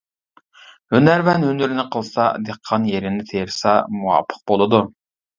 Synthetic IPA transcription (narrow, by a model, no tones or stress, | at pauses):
hønæɾvɛnɦønyɾnɪqʰəlˠsɑd̪eqʰːɑnjeɾɪnɪt̪ʰeɾsɑmuwɑ̰ːpʰːə̥q̚bolˠɨd̪u